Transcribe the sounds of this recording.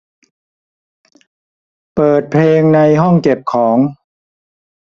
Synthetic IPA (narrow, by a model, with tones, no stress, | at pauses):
pɤː˨˩t̪̚pʰeː˧ŋna˧jɦɔ˥˩ŋke˨˩p̚kʰɔː˩˦ŋ